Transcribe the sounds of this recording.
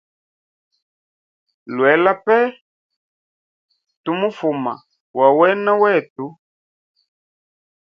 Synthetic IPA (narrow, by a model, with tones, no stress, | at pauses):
lwɛ˨˦la˦pɛ˦ | tu˦mu˦fu˨ma̰˨ | wa˨wɛ˦na˦wɛ˦˨tu˦